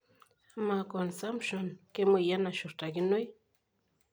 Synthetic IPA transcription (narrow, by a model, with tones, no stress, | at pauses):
ma˨konsa˦mpʃo˨nke˦muja˦na˨ʃʊ˨ɾtakɪ˦nʊ˦j